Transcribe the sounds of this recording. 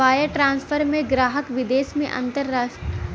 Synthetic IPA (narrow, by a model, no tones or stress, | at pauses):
aːjəʈɾãːnspʰəɾmẽɡɾaːɦəkʋɪd̪eːsmḛ̃ʔɐ̰̃nt̪əɾːaː